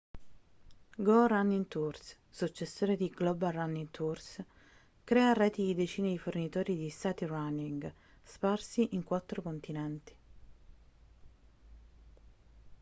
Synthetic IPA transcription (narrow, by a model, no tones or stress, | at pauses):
ɡoranːint̪urs | sut͡ʃːesːoːɾed̪iɡlɔbaranːint̪ʰurs | kɾɛːarɛːt̪iid̪et͡ʃiːnid̪ifornit̪oːɾid̪ist̪aːt̪iranːiŋɡ | sparsiʔiŋkwat̪ːɾokont̪inɛnt̪i̥